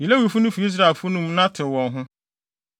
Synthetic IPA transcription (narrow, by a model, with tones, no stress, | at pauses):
ji˨le˦wi˨fu˦nʊ̃˦fu˨i˦s̬ɾa˨e˨lfʊ˦nũ˦mnã˦tʰɪ˨wɔ̃˨nɦʊ̃˦